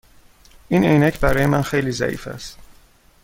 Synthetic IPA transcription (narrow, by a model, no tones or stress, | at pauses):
inejnæcʰbæɾɒːjemænxe̞jliːzæ̰ʔḭːfæ̰st̪